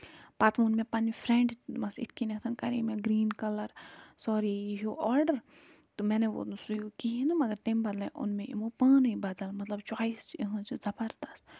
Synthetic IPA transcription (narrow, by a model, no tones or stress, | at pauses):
paːt̪ʋuːnmẽpɐnifʰɾẽɳɖmɐsɪ̰t̪̚ʰkinɐkt̪ʰɐnkɐɾimẽɡɾiːnkɐlɐɾsɔːɾijiɦoʔɔːɾɖəɾ | t̪umɛ̃ːneʋo̰sujoːkiɦenɐmɐɡɐɾt̪embɐd̪lẽʔʊ̰nmẽʔḭmopəːnibɐd̪ɐlmɐt̪lɐbt͡ʃwaːisiɦɐ̃t͡ʃezɐpɐɾt̪ɐs